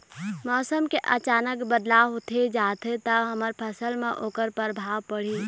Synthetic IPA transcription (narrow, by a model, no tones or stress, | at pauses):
mɔːsəmkeʔət͡ʃaːnəkbəd̪laɦot̪ʰed͡ʒaːt̪ʰet̪əɦəməɾpʰəsəlmẽʔoːkəɾpəɾbʱaːwpəɽ̤iː